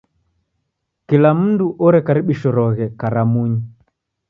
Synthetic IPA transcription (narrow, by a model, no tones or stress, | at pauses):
kilam̩nduʔɔɾɛkaɾiɓiʃɔɾɔɣɛkaɾamuɲi